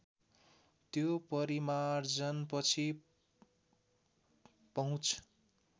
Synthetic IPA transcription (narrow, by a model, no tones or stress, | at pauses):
t̪jopʌɾimard͡zʌnpʌt͡sʰi | pʌɦũt͡sʰ